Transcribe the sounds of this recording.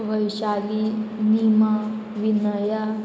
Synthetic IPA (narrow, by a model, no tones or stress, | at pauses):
ʋəjʃalinima | ʋinəja